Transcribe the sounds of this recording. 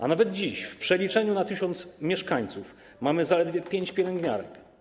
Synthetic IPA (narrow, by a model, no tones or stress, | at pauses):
ʔa̰navɛd̪̚d͡ʑiɕfpʂɛlʲit͡ʂɛɲunat̪ɘɕɔnt̪smʲjɛʂkaɲt̪suf | mamɘzalɛd̪vʲjɛpʲjeɲt͡ɕpʲjɛlɛŋɡɲa̰ɾɛ̰k